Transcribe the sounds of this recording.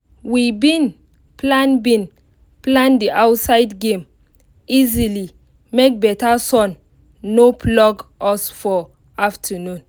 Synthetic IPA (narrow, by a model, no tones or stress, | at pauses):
wibĩn | plãnbĩn | plãndiʔawtsaɪdɡẽm | izili | mek̚bɛtasɔ̃nː | oplɔɡɔsfɔ | aftʰənũn